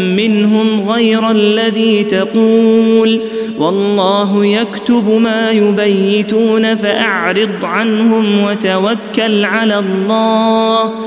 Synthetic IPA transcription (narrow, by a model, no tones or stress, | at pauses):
mɪnɦʊmɣajɾalːaðiːt̪ɑquːl | wɑlˤːɑːɦʊjakt̪ʊbmaːjʊbajːɪt̪uːnafaʔaʕɾɨd̪ˤʕanhʊmwat̪awakːalʕalaːllˤːɑːh